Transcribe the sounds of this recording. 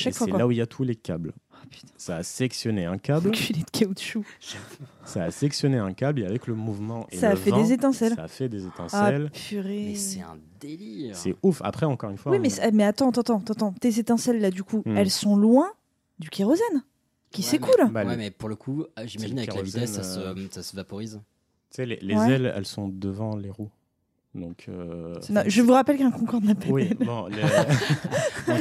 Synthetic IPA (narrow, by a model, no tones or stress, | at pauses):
ʃaksfwaɛwalauiljat̪ʰulekʲa̰blapy̥t̪ɛ̥̃saːselɛksjɔneɛ̃kʲablkiled̪̥kʲʰaut̪ʃu | saːselɛksjɔneɛ̃kʲableavɛkləmuvmɑ̃ʔḛsaːvfɛd̪ezet̪ɛ̃sɛlaːfɛd̪ezet̪ɛ̰̃saɛlfyʁesɛɛ̰̃d̪eliʁsɛufa̰pχɛɑ̃kɔʁynfwawimɛsmɛat̪ɑ̃t̪ɑ̃t̪ɑ̃t̪ɑ̃t̪ɑ̃t̪ezet̪ɛ̃sɛlːad̪ykuɛlsɔ̃lwɛ̃ | d̪ykʲeʁozɛn | kʲisekulbawɛmɛpuʁləkʰuʒimaʒinavɛklaviɛsːasəsasəvapɔʁiz̥ | sɛlelewzɛɛlɛ̰lsɔ̃d̪əvɑ̃leʁu | d̪ɔ̃kʰø̰nɔ̃ʒəvuʁapɛlkɛ̃kɔ̃kɔʁnapawiɛlnɔ̃e